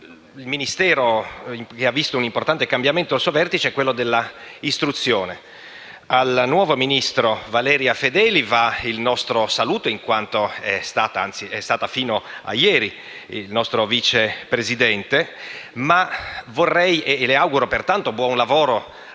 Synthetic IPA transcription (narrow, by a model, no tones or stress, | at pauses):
ilminist̪ɛːɾoimkeavːist̪ounimport̪ant̪ekambjament̪oalsuovɛrt̪it͡ʃeɛkːwelːod̪elːaist̪ɾut̪sːjoːne | alnwɔːvominist̪ɾovalɛːɾjafed̪ɛːlivailnɔst̪ɾosaluːt̪oiŋkwant̪oɛst̪aːt̪aa̰nt̪siɛst̪aːt̪afiːnoa̰jːɛːɾi | lnɔst̪ɾoviːt͡ʃepɾezid̪ɛnt̪emavorːɛjeleawɡuɾopert̪ant̪obwɔnlavoːɾo